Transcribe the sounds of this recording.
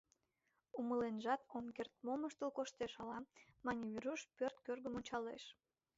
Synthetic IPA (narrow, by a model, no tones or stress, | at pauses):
uməlenʒɑt̪omkert̪̚moməʃt̪əlkoʃt̪eʃɑlɑmɑnʲiβʲiɾuʃpørt̪kørɣəmonʲt͡ɕɑleʃ